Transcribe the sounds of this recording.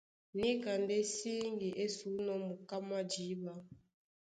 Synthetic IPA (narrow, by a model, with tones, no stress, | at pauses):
ni˦ka˨nde˦si˦ŋɡi˨ʔe˦su˨˦nɔ˦mu˨ka˦ma˦d͡ʒi˨˦ba˦